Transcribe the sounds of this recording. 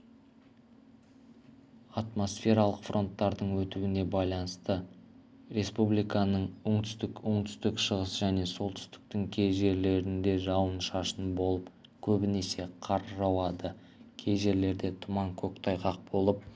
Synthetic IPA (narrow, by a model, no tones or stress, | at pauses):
ɑt̪mo̞sfʲe̞ɾɑlˠəqfrʔo̞nt̪ːɑɾd̪əɴwɵt̪uwɪne̞bɑjlˠɑnəst̪ə | ɾe̞spublijkɑnəɴʊɴt̪ʰʏ̥st̪ɪkʊɴt̪ʰʏ̥st̪ɪkʃəʁəsʒæne̞so̞lˠt̪ʰʏ̥st̪ɪ̥k̚t̪ɪŋkʲʰe̞jʒe̞ɾle̞ɾɪnd̪e̞ʒɑwənʃɑʃənbo̞lˠəp | kʲʰɵbɪne̞se̞qʰɑɾʒɑwɑd̪ə | kʲʰe̞jʒe̞ɾle̞ɾd̪e̞t̪ʰʊmɑŋkʲʰɵkt̪ʰɑjqɑq̚bo̞lˠəp̚